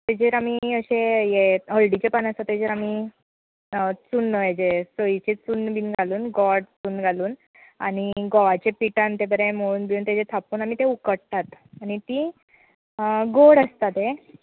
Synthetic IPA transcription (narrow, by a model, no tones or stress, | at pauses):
t̪ed͡ʑeɾamiəɕẽjeɦəɭɖit͡ɕepanəst̪at̪ːed͡ʑeɾami | t͡sunːəjed͡ʑesoit͡ɕet͡sunbinɡaluːnɡɔɽt͡suːnɡʱaluːn | a̰ɽ̃iɡɔʋat͡ɕepiʈãnt̪ebəɾẽmoɭuːnbiuːnt̪ed͡zet̪ʰapuːnamit̪eukəɽt̪at̪añit̪i | ɡoɽəst̪at̪e